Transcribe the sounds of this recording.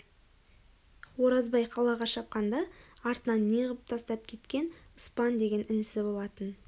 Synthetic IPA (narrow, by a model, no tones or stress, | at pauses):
wo̞ɾɑzbɑjqʰɑlˠɑʁɑʃɑp̚qɑnd̪ɑɑɾt̪ənɑnːeʁəp̚t̪ʰɑst̪ɑp̚kʲʰe̞t̪kʲe̞nəspɑnd̪e̞ɡʲe̞nʏnɪsɪbo̞lˠɑt̪ən